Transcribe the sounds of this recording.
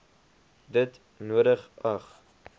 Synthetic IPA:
dət | nuəɾəχɐχ

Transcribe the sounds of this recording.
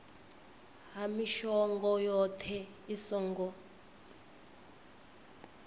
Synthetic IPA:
ɦamiʃɔŋɡɔjɔtʰɛ | isɔŋɡɔ

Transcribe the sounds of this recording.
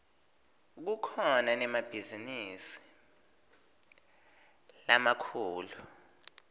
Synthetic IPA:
k̬ukʰɔnanɛmab̥ʱizinisi̥ | lamakʰuːlu

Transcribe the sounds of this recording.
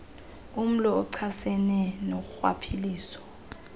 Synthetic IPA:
um̩lɔɔǀʰasɛnɛnok̬uxwa̰pʰiliːsɔ̥

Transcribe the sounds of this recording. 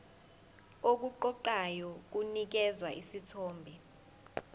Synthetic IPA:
ok̬uǃɔǃajɔk̬unik̬ɛzwaʔisitʰɔːmbʱɛ

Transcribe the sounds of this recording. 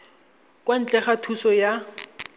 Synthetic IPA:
kʼwan̩t͡ɬʼɛχatʰusɔja

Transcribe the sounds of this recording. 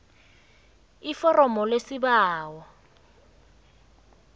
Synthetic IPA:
ifɔrɔmɔlesibaːwɔ

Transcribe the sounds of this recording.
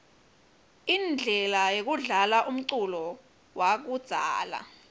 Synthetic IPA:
ind͡ɮʱɛlajek̬uɮalaʔum̩ǀulɔ | wak̬ud̥z̥ʱa̰ːla̰

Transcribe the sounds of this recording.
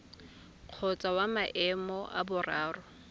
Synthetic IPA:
q͡χʰɔt͡sʼawamaʔɛmɔʔa̰bʊraːrʊ

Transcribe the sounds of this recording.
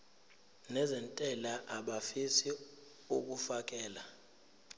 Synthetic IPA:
nɛzɛntʼɛlaʔaɓafisi | uk̬ufak̬ʼɛːla

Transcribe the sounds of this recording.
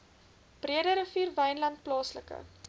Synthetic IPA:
b̥riədəɾəfiːrvɛjnlɐnt̚plɑːsləkə̰

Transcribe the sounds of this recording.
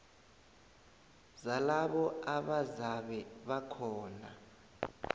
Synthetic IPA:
zalaɓɔaɓazaɓɛɓakʰɔːna̰

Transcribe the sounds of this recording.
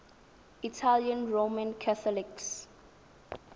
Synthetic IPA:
itʰaljə̃nɹomãnkʰaθɔliks

